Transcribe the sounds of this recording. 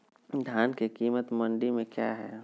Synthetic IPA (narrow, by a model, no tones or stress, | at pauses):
d̪ʱjaːnkekiːmət̪mə̃ɳɖimẽkja̰ːɦɛː